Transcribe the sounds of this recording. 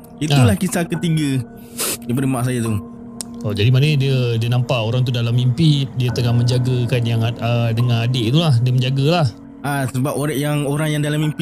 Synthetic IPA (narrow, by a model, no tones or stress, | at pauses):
it̪ulahkisakət̪iɡə | dipadəmaʔs̬ajat̪u | od͡ʒadimanədiədiənampaʔoɾaŋt̪̬udalamːimpidiət̪əŋaməɲd͡ʒaɡəkanjaŋədəŋanadeʔt̪ulahdiəməɲd͡ʒaɡalah | ʔasəbapoɾjaŋoɾaŋjaŋdalamimp